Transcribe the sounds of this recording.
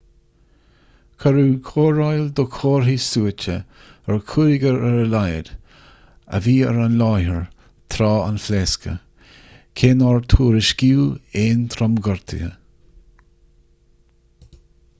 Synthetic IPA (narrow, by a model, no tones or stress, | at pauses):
kʰaɾuːkʰoːɹajld̪okʰoːɹɦisuːət͡ʃə | əɹkʰuɾɪɡəɾəɾəlajə̰d | ə̰viːə̰ɾanlɑːhəɹ | t̪ʰɾaːa̰nfleskʰə̰ | kʰeːnɔɹt̪ʰuːɾɪʃɡiːeːnt̪ʰɾɔmɡɔɹt̪ʰə̰ə̰